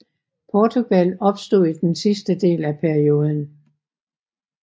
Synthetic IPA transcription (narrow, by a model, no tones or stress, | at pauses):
pʰɒːt͡sʰuɡ̥ælɒ̽b̥sd̥o̝̰ð̰ˠid̥ensisd̥əd̥e̝̰ːlæpʰæɐio̝ːð̞ˠən̩